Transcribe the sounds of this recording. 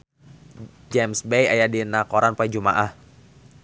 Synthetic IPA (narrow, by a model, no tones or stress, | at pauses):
d͡ʒɛmsbeja̰jadinakɔɾanpɛd͡ʒuma̰ʔah